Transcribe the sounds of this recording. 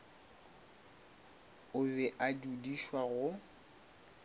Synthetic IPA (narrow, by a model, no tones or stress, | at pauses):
ʊbɛʔadudiʃwaɣʊ